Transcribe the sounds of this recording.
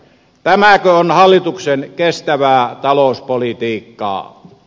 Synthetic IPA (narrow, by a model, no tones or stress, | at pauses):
t̪æmækøonhɑlːit̪uksenkest̪æʋæːt̪ɑloˑuspolit̪iːkːɑ̰ː